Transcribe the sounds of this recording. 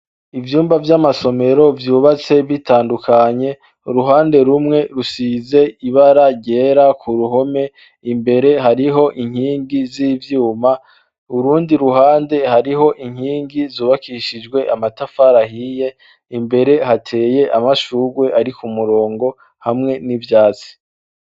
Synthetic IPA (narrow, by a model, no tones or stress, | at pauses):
ivjuːmbavjamaso̞me̞ɾo̞vjuːβat͡se̞vitʰaːndukʰaɲe̞ | ɾuɦaːnde̞ɾumŋe̞ɾusize̞iβaɾaɟe̞ːɾakʰuɾuɦo̞me̞ | imbe̞ɾe̞ɦaɾiɦo̞ʔiŋhiːŋɡiziːvjuːma | uɾuːndiɾuɦaːnde̞haɾiɦo̞ʔiŋ̥hiːŋɡizuːβakiʃid͡ʒɡwe̞ʔamatafaɾahije̞ | imbe̞ɾe̞hatʰe̞ːje̞ʔamaʃuɡwe̞ʔaɾikumuɾo̞ːŋɡo̞ | hamŋe̞nivjaːt͡si̥